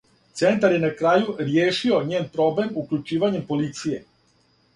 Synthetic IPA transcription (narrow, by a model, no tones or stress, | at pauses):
t̪se̞nt̪aɾje̞nakɾaːjuɾjeːʃio̞ɲeːnpɾo̞ble̞mukʎʲut͡ʃiːʋaɲe̞mpo̞lit̪sije̞